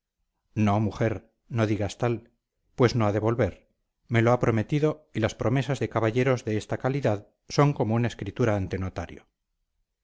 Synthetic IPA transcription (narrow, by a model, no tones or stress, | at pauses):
no̞muxe̞ɾ | no̞ðiɣast̪al | pwe̞sno̞aðe̞βo̞lβe̞ɾ | me̞loapɾo̞me̞t̪iðo̞ilaspɾo̞me̞sazðe̞kaβaʎe̞ɾo̞zðe̞est̪akaliðað | so̞ŋko̞mounaeskɾit̪uɾaːnt̪eno̞t̪aɾjo